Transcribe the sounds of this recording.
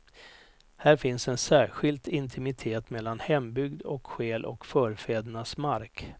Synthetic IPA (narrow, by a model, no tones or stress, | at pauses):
hæːɾfɪnsɛnsæːɾɧɪlt̪ɪnt̪ʰɪmɪt̪ʰeːt̪mɛlːanhɛmbʏɡd̪ɔkɧeːlʔɔ̰kfœːɾfeːd̪əɳasmaɾk